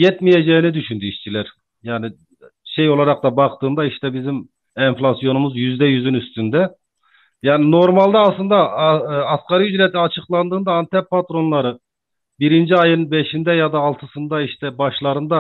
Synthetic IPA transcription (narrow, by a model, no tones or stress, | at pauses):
jɛt̪mijɛd͡ʒɛinɪd̪yʃynd̪yiʃt͡ʃʰilɛɾ | jaːnɪ | ʃejolˠɑɾɑq̚t̪ɑbɑqt̪ɯnd̪ɑiʃt̪ɛbizim | ɛnflˠɑsijo̞numuzjyzd̪ɛjyzynyst̪ʰynd̪ɛ | jaːnɪnoɾmɑlˠd̪ɑːslˠɯnd̪ɑɑskɑɾijyd͡ʒɾɛt̪ʰiɑt͡ʃʰɯqlˠɑnd̪ɯːnd̪ɑːnt̪ʰɛppʰːɑt̪ɾonlˠɑɾɯ | biɾind͡ʒiɑjɯnbeʃind̪ɛjɑd̪ɑːlˠt̪ʰɯsɯnd̪ɑiʃt̪ɛbɑʃlˠɑɾɯnd̪ɑ